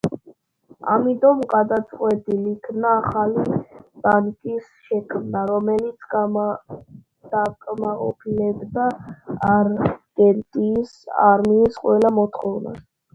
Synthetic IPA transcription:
a̰mit̪ʼɔmɡad̪at̪sʼqʼwɛt̪ʼilikʰmnaːχalib̥aŋkʼis | ʃɛkʰmnaɾɔmɛlit̪sʰ | d̪̥akʼmaqʼɔ̰pʰilɛbd̪aː | ɾɡɛɾt̪ʼiːsa̰ɾmiːsqʼwɛlamɔt̪ʰχɔvna̰s

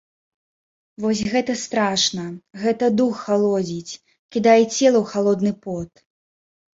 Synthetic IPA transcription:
vɔs̬ʲɣɛt̪ɐst̪ɾaʂnɐɣɛt̪ɐd̪uxːalˠɔd͡zʲit͡sʲ | kʲid̪ajɛt͡sʲɛlˠɐwxalˠɔd̪nɨpɔt̪

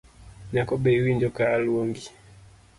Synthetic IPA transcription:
nakɔbɛiwind͡ʒɔkaːlwɔŋɡi

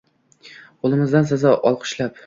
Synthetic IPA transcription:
qʰolˠɪmɪzd̪ans̬azɒʔɒlˠqʰʊ̥ʃlap

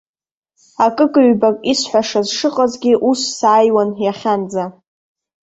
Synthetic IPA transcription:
akʼɨkʼɨɥbakʼisħʷaʂazʂɨqʼazɡʲiʔusːaːjwanjaχʲand͡za

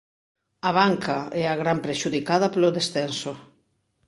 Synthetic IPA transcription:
ɐβaŋkaɛaɣɾampɾeʃuðikaðɐploðesθɛnso

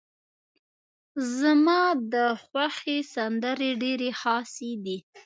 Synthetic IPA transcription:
zəmɑd̪əxwaxesand̪əɾeɖeɾexɑsed̪i

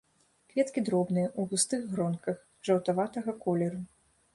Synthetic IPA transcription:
kvʲɛt̪kʲid̪ɾɔbnɨjɐʔubust̪ɨɣːɾɔnkɐx | ʐɐwt̪avat̪ɐɣɐkɔlʲɛɾu

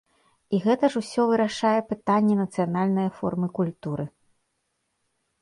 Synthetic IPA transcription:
iɣɛt̪ɐʐusʲɔvɨɾaʂajɛpɨt̪anʲːɛnɐt̪sɨjanalʲnɐjɐfɔ̰rmɨkulʲt̪uɾɨ

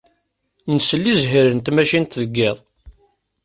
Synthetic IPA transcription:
nəsəlːizɦiɾənt̪mæʃint̪ðəɡːeðˤ

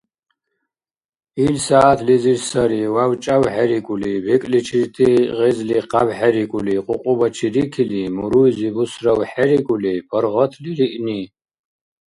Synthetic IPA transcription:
ilsaːt̪ʰlizirsɐɾiwawt͡ʃʼawħɛɾikʼulibɛkʼlit͡ʃʰirt̪ʰiʁɛzliqabħaɾikʷʼuliqʼʊqʼʊbɐt͡ʃʰiɾikʰilimuɾujzibusrɐwħɛɾikʼulipʰɔɾʁɔt̪ʰliɾiʔni

